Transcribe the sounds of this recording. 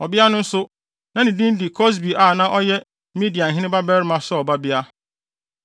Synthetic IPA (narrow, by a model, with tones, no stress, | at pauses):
ɔ˨bɪ˦a˦nʊ̃˦n̩˦sʊ˦ | nã˨nɪ̃˨dĩ˦n˦di˨kʰɔ˦s̬bi˨ʔa˨nã˦ʔɔ˦jɛ˦ | mi˦di˨a˨n̩˨ɦɪ̃˦nɪ̃˦ba˦bɛ˦ɾmã˨˦sɔ˦ɔ˨ba˦bɪ˦a˦